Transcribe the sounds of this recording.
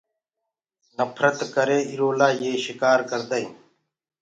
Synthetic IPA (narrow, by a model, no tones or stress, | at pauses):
nəpʰɾət̪kəɾeːiɾoːlaːjeːʃɪkaːɾkəɾd̪əiː